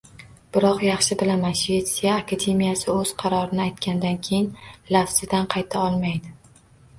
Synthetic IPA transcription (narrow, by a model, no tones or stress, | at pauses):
b̥ɪɾɒqjɑχʃɪbɪlamanʃve̞t̪sijaːkʰad̪e̞mijasɪɵz̥qʰɑɾɒɾɪnɪajt̪kʲand̪ankʲʰe̞jɪnlafsɪd̪anqʰɑjt̪ʰaɒlˠmajd̪ɪ